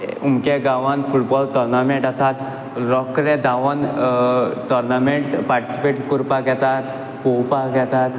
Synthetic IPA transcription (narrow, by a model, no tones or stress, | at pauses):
umkeɡaʋanfʰuʈbɔːlʈɔɾnamẽɳʈasat̪ | ɾɔkɾed̪aʋən | ʈ̪ɔɾnamẽʈpaɾʈi̥si̥peːʈkuɾpaɡɛt̪at̪ | kopaɡɛt̪at̪